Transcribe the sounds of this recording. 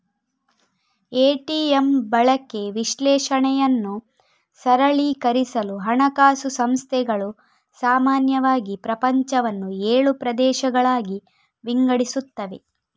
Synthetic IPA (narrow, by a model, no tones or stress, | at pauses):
eːʈiembɐɭɐkːe̞ʋiʃlɛːʃɐɳɛjɐnːu | sɐɾɐɭikɐɾisɐluɦɐɳɐkaːsusɐmst̪ʰɛɡɐɭu | saːmaːnjɐʋaːɡipɾɐpɐɲt͡ʃɐʋɐnːueːɭupɾɐd̪ɛːʃɐɡɐɭaːɡi | ʋiŋɡɐɽisut̪ːɐʋe̞